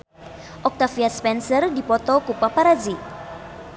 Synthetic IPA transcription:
ʔɔk̚t̪afiaspɛnsərdipɔt̪ɔkupapaɾad͡ʒi

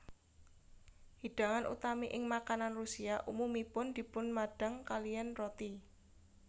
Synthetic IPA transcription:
hiɖ̥a̤ŋanʔṵt̪amiʔɪŋmakananrusiaʔumumipʊnd̪̥i̤pʊnmaɖ̥a̤ŋkalijɛnrot̪i

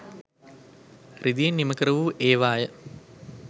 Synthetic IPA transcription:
rʔid̪ijɐnːimɐkɾɐʋuːʔeːʋaːjɐ

